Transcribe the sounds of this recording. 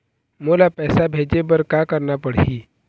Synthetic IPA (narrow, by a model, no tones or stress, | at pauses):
molapɛsabʱed͡ʑebəɾkakəɾɳapəɽ̤i